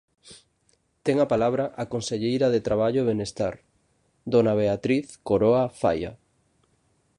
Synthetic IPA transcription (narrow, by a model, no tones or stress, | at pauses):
t̪eŋapalaβɾaʔakonseʎejɾaðet̪ɾaβaʎoeβenest̪a̰ɾ | d̪onaβ̞eat̪ɾiθkoɾoafa̰ja̰